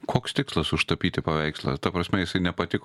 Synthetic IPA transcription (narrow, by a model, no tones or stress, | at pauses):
kʰoːkst̪ʲɪkslˠɐsʊʃt̪ɐpʲiːt̪ʲɪpɐʋʲɛɪkslˠɐ̰t̪ɐpɾɐsʲmʲɛjɪsɐɪnʲɛpɐt̪ʲɪk